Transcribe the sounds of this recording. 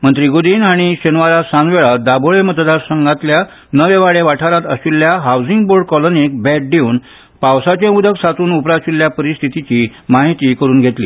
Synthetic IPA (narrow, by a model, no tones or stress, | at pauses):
mənt̪ɾiɡod̪iːnaɽ̃iɕenʋaɾasanʋeɭad̪aboɭemət̪d̪aɾsəŋɡãt̪lja | nəʋeʋaɭeʋaʈʰaɾat̪əɕuljaɦawd͡ziŋɡboɾɖkɔlonik̚bɛʈ̚ɖeuːn | pawsat͡ɕẽud̪ʱəksat̪uːnupɾaɕuljapəɾist̪ʰit̪it͡ɕiːmaɦit̪iːkəɾuːnɡʱet̪lḭː